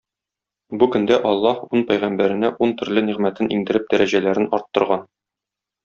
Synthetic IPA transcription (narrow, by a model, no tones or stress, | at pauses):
bukɵ̆nd̪æʔɒlˠːɑhunpæjʁæmbæɾɘ̆næʔunt̪ɵ̆ɾlɘniʁmæt̪ɘnʔḭŋd̪ɘ̆ɾɘp̚d̪æɾæʑælæɾɘnɒɾt̪ːŏɾʁɑn